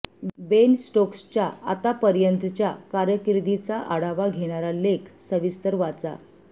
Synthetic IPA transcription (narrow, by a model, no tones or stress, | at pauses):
bensʈokst͡ɕjaa̰t̪apəɾjənt̪t͡ɕjakaɾjəkiɾd̪it͡saʔəɽaʋaɡʱeɽ̃aɾalekʰsəʋist̪əɾʋat͡sa̰